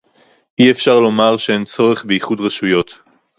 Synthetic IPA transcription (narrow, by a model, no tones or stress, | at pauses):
ʔiefʃaʁlo̞maʁʃeent͡so̞ʁe̞χbeiχudʁaʃujo̞t̪